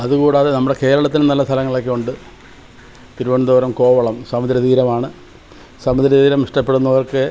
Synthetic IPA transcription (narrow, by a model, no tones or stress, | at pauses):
ɐðukuːɽaːðenɐmːuɽe̞ke̞ːɾɐɭɐt̪ːinɨnɐlːɐst̪ʰɐlɐŋːɐɭokːeuɳɖɨ | t̪iɾuʋɐɳd̪oːɾɐmko̞ːʋɐɭɐmsɐmɐd̪ɾɐðiːɾɐmaːɳɨ | sɐmud̪ɾɐðiːɾɐmiʂʈɐpːeɽunːɐʋɐrkɨ